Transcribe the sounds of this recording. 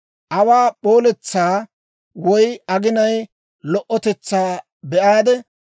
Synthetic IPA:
ʔɐwaːɓoːlɛt͡sːaː | wɔjɐɡɪnɐj | lɔʔːɔt̪ɛt͡sːaː | bɛʔaːd̪ɛ

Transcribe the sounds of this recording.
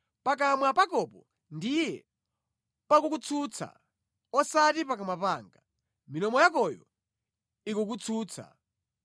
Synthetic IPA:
pak̬amwapakɔpɔ | ndijɛ | pakukut͡sʰut͡sʰa̰ | ɔsatipakamwapaːŋɡa | minɔmɔjakɔjɔ̰ | ikuk̬ut͡sʰuːt͡sʰa̰

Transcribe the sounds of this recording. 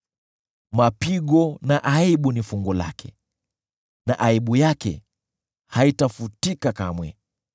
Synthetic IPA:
mapiɠɔnaʔaiɓunifuŋɡɔla̰kʰɛ̰ | na̰ʔaiɓujakɛ̰ | haitafutikakamwɛ̰

